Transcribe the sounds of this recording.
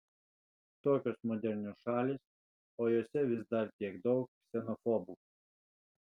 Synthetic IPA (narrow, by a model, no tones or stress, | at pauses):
t̪oːkʲoːsmɔd̪ʲɛɾʲnʲuʃɑːlʲɪs | oːjoːsʲɛʋʲɪsd̪ɐɾt̪ʲiɛɡd̪ɒʊk̚psʲɛnɔfɔbu